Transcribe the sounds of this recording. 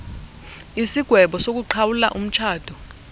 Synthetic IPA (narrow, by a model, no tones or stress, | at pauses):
isiɡ̥ʱwɛɓɔsok̬uǃʰawula̰ʔum̩t͡ʃʰaːd̥ʱɔ